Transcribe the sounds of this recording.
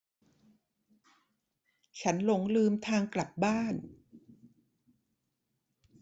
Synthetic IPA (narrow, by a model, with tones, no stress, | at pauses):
t͡ɕʰa˦˥nlo˩˦ŋlɯː˧mt̪ʰaː˧ŋkla˨˩p̚baː˥˩n